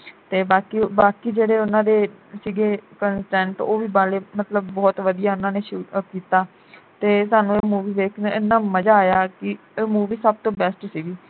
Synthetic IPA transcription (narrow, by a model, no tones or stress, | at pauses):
t̪eːbaːkiːbaːkiːd͡ʒeːɽeːʊnãːd̪eːsiɡeːkənsʈɛ̃ːɳʈoːʋiːbaːleːmət̪ləbːɔːt̪ʋəd̪ijaːʊnãːneːʃuːkiːt̪aː | t̪eːsaːnũːemuːʋiːʋeːknɪnːãːməd͡ʒaːjaːkɪ | eːmuːʋiːsəb̚t̪õːbɛːsʈsiːɡiː